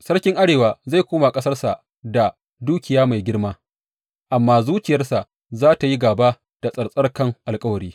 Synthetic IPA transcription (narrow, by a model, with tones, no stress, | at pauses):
sɐ˦rkʲɪ˦ŋʔa˦ɽeː˨waː˨za˦˨jkʷoː˦ma˨kʼɐ˦sɐ˦rsa˨ʔ | da˨ | duː˦kʲɪ˨jaː˦ma˨jɡʲɪ˦rmaː˦ | ʔa˨mːaː˦zuː˦t͡ʃɪ˨jɐ˦rsa˨ʔ | zaː˦ta˨ji˦ɡaː˨ba˦ | d̥a˨sʼɐ˨ɽsʼɐ˦rkɐ˦ŋʔa˨lkʼɐ˦wɐ˨ɽiː˦